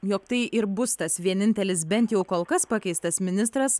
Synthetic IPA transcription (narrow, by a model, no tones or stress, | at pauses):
joːkt̪ɐɪʔɪɾbʊst̪ɐsʋʲiɛnʲɪnʲt̪ʲɛlʲɪs̬bʲɛnt̪jɛʊkoːlˠkɐspɑkʲɛɪst̪ɐsmʲɪnʲɪst̪ɾɐs